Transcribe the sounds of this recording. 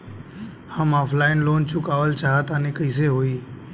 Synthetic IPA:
həmaːpʰlaːɪnloːnt͡ʃʊkaːʋəlt͡ʃaːɦat̪aːnẽkəis̬eɦoiː

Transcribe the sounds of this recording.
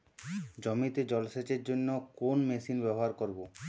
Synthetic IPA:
d͡ʑɔmit̪ed͡ʑɔlset͡ɕeɾd͡ʑonːokonmesinbɛboɦaɾkoɾbo

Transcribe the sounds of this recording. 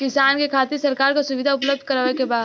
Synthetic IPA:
kɪsaːnkekʰaːt̪ɪɾsɐɾkaːɾkasʊʋɪd̪ʱaʊpləb̚d̪ʱkɐɾaʋekebaːd̪

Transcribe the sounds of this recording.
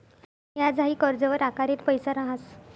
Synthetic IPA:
ɦjad͡zaɦiːkəɾd͡zəʋəɾakaɾet̪pəjsəɾaɦas

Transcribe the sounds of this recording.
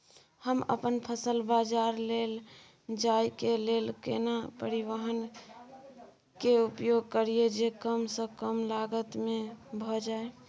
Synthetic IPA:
həmə̰pənpʰəsəlbad͡ʒaɾlel | d͡ʒajkelelkḛnapəɾiwəɦən | keupjoɡ̚kəɾied͡ʒekəmsə̃kəmlaɡət̪mebʱɔd͡ʒae

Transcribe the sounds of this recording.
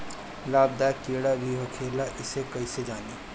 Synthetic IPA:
laːb̚d̪aːkeːɽabʱiɦokʰeːlaʔɪsekɐised͡ʒaːniː

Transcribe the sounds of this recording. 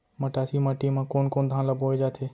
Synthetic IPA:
məʈaːsimaʈimãːkoːnkoːnd̪ʱãːlaboed͡ʒaːt̪ʰeː

